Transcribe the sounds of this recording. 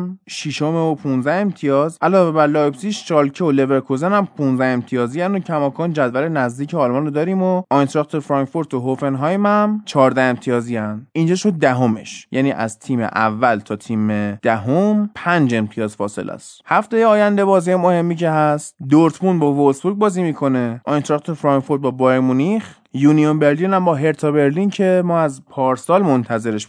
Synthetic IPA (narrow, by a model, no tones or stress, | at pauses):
mʃiʃo̞meopʰunzæe̞mt̪ʰijɒːzʔælɒːve̞bæɾlɒːjbsiʃt͡ʃɒːlcʰeole̞veɾkʰozenæmpʰunzæhe̞mt̪ʰijɒːziænocʰæmɒːkʰɒːnd͡ʒæd̪væɾenæzd̪iːcʰeɒlmɒnɾod̪ɒːɾiːmoʔɒjnsɾɒk̚t̪ʰoɾfɾɒŋkfoɾt̪ʰoɦofe̞nɦɒjmæmt͡ʃʰɒːɾd̪æe̞mt̪ʰijɒːzijænd̪ind͡ʒɒːʃo̞d̪̚ːæɦo̞me̞̰ʃjʔæ̰niːʔæ̰zt̪ʰiːmḛʔævːælt̪ʰɒːt̪ʰiːmed̪̥æɦompʰænd͡ʒe̞mpʰijɒːzfɒːse̞̰lʔæ̰st̪hæft̪ejeɒːjænd̪e̞bɒːziemo̞he̞mːicʰe̞ɦæst̪d̪oɾt̪ʰmunbɒːvolsbuɾɡ̚bɒːziːmiːkʰo̞ne̞ʔɒjnt̪ɾɒk̚t̪ʰoɾfɾɒŋkfoɾt̪̚bɒːbɒɾmunix | juːnijonbeɾlinæmbɒːɦe̞ɾt̪ʰɒbe̞ɾlincʰe̞mɒːæzpʰɒːɾsɒːlmo̞nt̪ʰæze̞ɾe̞ʃ